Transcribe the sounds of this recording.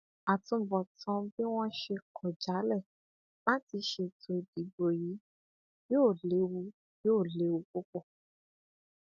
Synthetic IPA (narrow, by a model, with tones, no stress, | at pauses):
a˨tũ˧˨bɔ˨tɔ̃˧be˦w̃ɔ̃˦ʃe˧kʰɔ˨d͡ʒa˨˦lɛ˦˨ | la˦ti˧ʃe˧tʰo˧i˨di˨˦bo˨ji˨˦ | joː˦˨le˨˦wu˧ | joː˦˨le˨˦wu˧k͡po˦k͡po˦˨